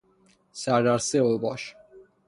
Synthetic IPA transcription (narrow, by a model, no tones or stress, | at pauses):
saɾaɾsɛɔbaʃ